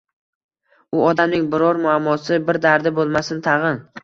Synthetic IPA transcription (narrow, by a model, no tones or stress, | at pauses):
ʊɒd̪amnɪŋbɪɾɒɾmʊamːɒsɪbɪɾd̪aɾd̪ɪbolˠmasɪnt̪ʰɑʁɨn